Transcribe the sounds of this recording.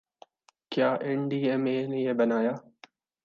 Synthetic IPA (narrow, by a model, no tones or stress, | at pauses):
kjaːʔẽɳɖiːeːmeːnejebɐnaːjaː